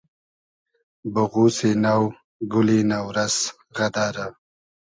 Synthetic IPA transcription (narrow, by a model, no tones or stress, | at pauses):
bʊɣusenaw | ɡʊlinawɾaz̥ | ɣad̪aɾa